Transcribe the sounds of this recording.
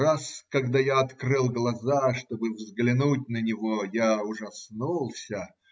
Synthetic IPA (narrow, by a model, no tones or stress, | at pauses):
raskɐɡd̪ajaɐt̪krɨlˠɡlˠɐzaʂt̪o̞bɨvzɡlʲɪnut̚ʲnənʲɪvojaʊʐɐsnulˠsʲə